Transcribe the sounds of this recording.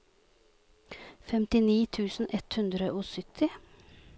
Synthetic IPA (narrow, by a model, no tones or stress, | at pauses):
fɛmt̪ɪniːt̪ʰʉːsn̩ʔɛt̪hʉnd̪ɾəʔoːsʏt̪ʰɪ